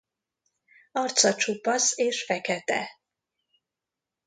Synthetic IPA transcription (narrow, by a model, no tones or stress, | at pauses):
ɒrt̪sɒt͡ʃupːɒseːʃfɛkɛt̪ɛ̰